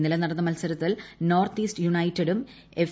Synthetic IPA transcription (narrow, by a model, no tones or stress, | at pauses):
nːilɐnːɐɽɐnːɐmɐlsɐɾɐt̪ːilnoːrt̪iːsʈɨjuɳɐjtːɐɽum | ef